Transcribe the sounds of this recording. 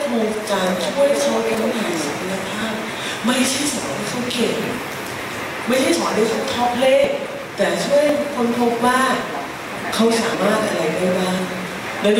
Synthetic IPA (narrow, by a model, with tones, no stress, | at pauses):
tʰoː˧ŋkaː˧nt͡ɕʰu˥˩əjt̪ʰɔː˧˥˩a˧ma˦˥taː˨˩˨sa˨˩˦t̪ʰa˧ja˧pʰaː˥˩p̚ | ma˥˩jt͡ɕʰa˥˩˨jsa˨˩˦a˧˩d̪a˧˩t̪ʰu˦˧˥pke˨˩ŋ | ma˥˩jt͡ɕʰjsa˨˦˨a˧˩da˧˩t̪ʰuː˦˥˩t̪ʰɔ˦˥pʰːleː˦˥˩ | t̪ɛː˨˩t͡ɕʰu˥˩˨hakʰo˧˥npʰo˦˥p̚waː˥˩ | kʰa˦˥wsaː˩˦mmaː˥˩n̚ʔa˧ɾa˧jpa˧jbaː˥˩ŋ | lɛː˧˥